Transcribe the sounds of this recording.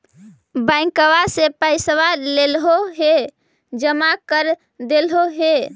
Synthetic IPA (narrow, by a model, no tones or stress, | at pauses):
bəɪkəʋasepəɪsʋalelɦoɦe | d͡ʒəmakəɾ | d̪elɦoɦe